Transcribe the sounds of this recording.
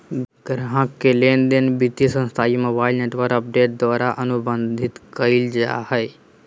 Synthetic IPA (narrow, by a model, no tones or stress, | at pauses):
ɡ̥ɾɦãkːeleːnd̪enbit̪isə̃nst̪ʰaːimobaːilneːʈʋəɾkəp̚ɖeːʈ̚d̪waːɾaʔənʊbənd̪ʱɪt̪kəild͡ʒa̰həj